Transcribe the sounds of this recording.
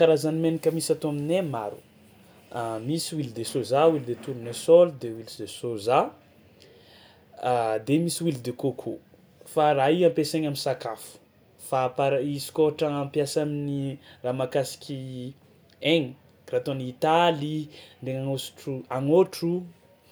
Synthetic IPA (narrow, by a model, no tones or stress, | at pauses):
kaɾazanimenikʲəmisat̪oaminemaɾu̥̰ | misiwild̪esozawild̪et̪uɾunesɔld̪ewilid̪esoza | d̪emisiwild̪ekokʰo̰ | faɾaiwampeseɲaminsakafu̥ | fapaɾaisi̥koɦaʈ͡ʂəampjasaminiramakasi̥kʲi | eŋ | rat̪onit̪aliɳɖ͡ʐeŋaŋosu̥ʈ͡ʂuaŋoʈ͡ʂu